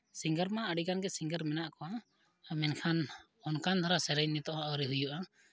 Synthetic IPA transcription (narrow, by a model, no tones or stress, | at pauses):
siŋɡəɾmaəɽikanɡɛsiŋɡəɾmɛnaʔkɔwa | mɛnkʰan | ɔnkʰand̪ʱaɾasɛɾɛjnɛt̪ɔʔãawɾɛɦujuʔa